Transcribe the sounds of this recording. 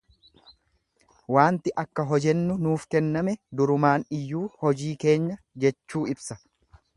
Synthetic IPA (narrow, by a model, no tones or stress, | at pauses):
waːnt̪ɪʔɐkːɐɦɔd͡ʒɛnːʊnuːfkɛnːɐmɛd̪ʊɾʊmaːnɪjːuːhɔd͡ʒiːke̞ːɲːɐ | d͡ʒɛt͡ʃːuːɪbsɐ